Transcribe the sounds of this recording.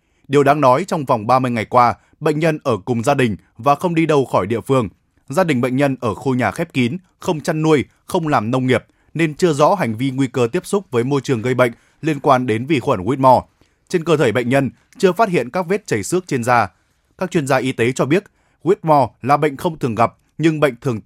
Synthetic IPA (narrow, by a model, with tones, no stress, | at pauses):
ɗi˨˩əwɗaː˧ŋnɔ˨˦jt͡ɕɔ˧wŋ͡mva˨˩wŋ͡mɓaː˧mɨ˧əjŋa˨˩jkwaː˧ | ɓə̰˧˨jŋ̟ɲə˧nʔəː˧˩kʊ˨˩ŋ͡mzaː˧ɗï˨˩ŋ̟ | vaː˨˩xə˧wŋ͡mɗi˧ɗə˧wxɔ˧˩jɗḭ˧˨əfɨ˧əŋ | zaː˧ɗï˨˩ŋ̟ɓə̰˧˨ŋ̟ɲə˧nʔəː˧˩xo˧ɲaː˨˩xɛ˦˥p̚ki˨˦n | xə˧wŋ͡mt͡ɕa˧nːu˧əj | xə˧wŋ͡mlaː˨˩mnə˧wŋ͡mŋi˨˩əp̚ | ne˧nt͡ɕɨ˧əzɔ̰˧˥ɦa˨˩jŋ̟vi˧ŋwi˧kəː˧t̪i˦˥əp̚sʊ˦˥k͡p̚vəː˨˦jmo˧jt͡ɕɨ˨˩əŋɣə˧jɓə̰˧˨ŋ̟ | li˧ənkwaː˧nɗe˨˦nvi˨˩xwə˧˩nɣwi˦˥t̚mɔ˧˩ | t͡ɕe˧nkəː˧t̪ʰəː˧˩jɓə̰˧˨j̟ɲə˧n | t͡ɕɨ˧əfaː˦˥t̚hḭ˧˨ənkaː˦˥k̚ve˦˥t̚t͡ɕə˨˩jsɨ˦˥ək̚t͡ɕe˧nzaː˧ | kaː˦˥k̚t͡ɕwi˧ənzaː˧ʔi˨˦t̪e˨˦t͡ɕɔ˧ɓi˦˥ət̚ | ɣwi˦˥t̚mɔ˧˩laː˨˩ɓə̰˧˨jŋ̟xə˧wŋ͡mt̪ʰɨ˨˩əŋɣa˨˩p̚ | ɲɨ˧ŋɓə̰˧˨jŋ̟t̪ʰɨ˨˩əŋ